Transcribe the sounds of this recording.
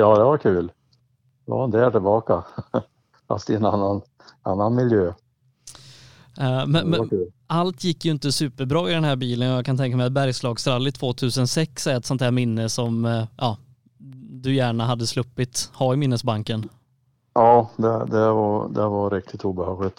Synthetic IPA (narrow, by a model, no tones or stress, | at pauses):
jɑːd̪ɛvaɾkʰʉːl | d̪ɛva̰ɾɪnt̪əæʈɪlbɑːka | fa̰st̪ɪənanːan | anːanmɪljøː | mɛnɛkʉːl | alt̪ʰjɪkːjɵɪnt̪əsʉ̟ːpəɾbɾɑːɪd̪ɛnhɦæːɾbiːlənɔjakʰant̪ʰɛŋk̬amɛjat̪̚bæɾjslɑːɡst̪ɾalːɪt̪ʰv̥oːt̪ʰʉ̟ːsənsɛksɛɛt̪sɔnt̪hæːɾmɪnːəsɔmjʔɑː | d̪ɵjæːɳaɦad̪ːəslɵpːɪt̪hɑːɾɪmɪnːəsbaŋkən | jɑːd̪ɛd̪ɛvad̪ɛvaɾɪk̚t̪ʰɪt̪uːbəhɑːɡlɪt̪